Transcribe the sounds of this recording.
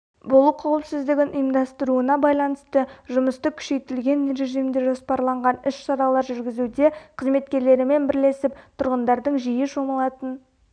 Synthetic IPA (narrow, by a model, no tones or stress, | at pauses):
bolˠuqʰɑwəpsɪzd̪ɪɡʲɪnʔʊjəmd̪ɑst̪əɾuənɑbɑjlˠɑnəst̪əʒʊməst̪əkʲʰʏ̥ʃe̞jt̪ɪlɡʲe̞nɾe̞ʒijmd̪eʒo̞spɑɾlˠɑɴʁɑnɪʃʃɑɾɑlˠɑɾʒʏɾɡʲɪzud̪e̞qʰəzme̞t̪kʲe̞ɾle̞ɾɪme̞nbɪɾle̞sɪpt̪ʰʊɾʁənd̪ɑɾd̪əɴʒijɪʃo̞məlˠɑt̪ən